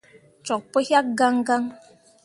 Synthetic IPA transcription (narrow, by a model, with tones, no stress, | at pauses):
t͡ʃɔ˨k̚pə˦hja˦k̚ɡa˦ŋɡa˦ŋ